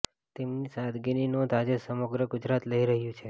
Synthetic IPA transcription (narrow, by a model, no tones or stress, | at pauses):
t̪emnisad̪ɡeninod̪ad͡ʒesəməɡɾəɡʊd͡ʒɾat̪ləiɾəɦjũt͡ʃʰe